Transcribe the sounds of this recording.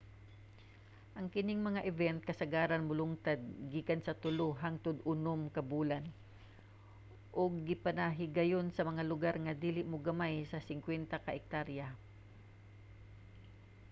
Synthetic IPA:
ʔɐŋkɪnɪŋmɐŋaʔɪvɛnt̪̚kɐsɐɡaːɾanmʊlʊŋt̪ad̪̚ɡiːkansɐt̪ʊloɦaŋt̪ʊd̪ʔʊnomkɐbuːlan | ʔʊɡ̚ːɪpanaɦɪɡɐjonsɐmɐŋalʊɡaɾŋɐd̪iːlɪʔmoɡɐmajsɐsɪŋkwɛnt̪akɐʔɪk̚t̪aɾja

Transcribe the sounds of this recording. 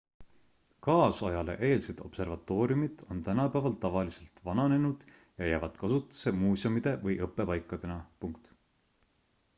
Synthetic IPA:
kɑːsɑjɑle̞̰ʔe̞ːlsed̪̥o̞̰pse̞rvɑt̪ːˑo̞ːɾiumid̪̥o̞nt̪ænɑpæːvɑlt̪ɑvɑlise̞lt̪vɑnɑne̞nud̪̥ | jɑjæːvɑd̪̥kɑsut̪ːˑu̥se̞muːsjomid̪̥e̞vɤjʔɤpːˑe̞pɑjkːˑɑd̪̥e̞nɑpuŋkt̪

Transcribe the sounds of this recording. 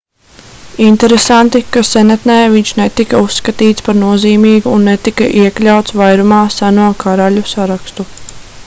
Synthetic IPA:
int̪ɛɾesant̪ikasɛnat̪nɛːviɲʃnet̪ikausːkat̪iːt̪spaɾnuɔziːmiːɡuːnːɛt̪ikaʔiɛklʲawt̪svajɾumaːsanuɔkaɾaʎusaɾakst̪u

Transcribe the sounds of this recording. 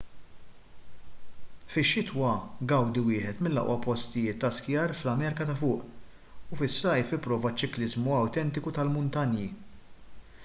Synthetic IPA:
fɪʃːɪt̪wɐɡɐwd̪iwɪːħɛt̪mɪlːɐ̰ʔwʔɐpɔst̪ɪjɪːt̪ːɐskjɐːɾflɐmɛɾkɐt̪ɐfʊːʔ | ʊfɪsːɐjfɪpːɾɔːvɐt͡ʃːɪklɪzmuɐwt̪ɛnt̪ɪkut̪ɐlmʊnt̪ɐnji

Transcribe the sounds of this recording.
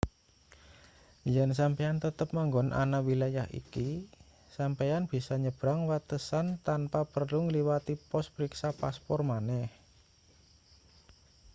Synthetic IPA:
jɛns̬ampejant̪ət̪əp̚maŋɡɔnʔa̰nawilajahḭki | sampejanb̥i̤sɔɲəb̥ɾaŋwat̪əsant̪anpapərluŋəliwat̪ipɔspəɾiksapaspɔrmanɛh

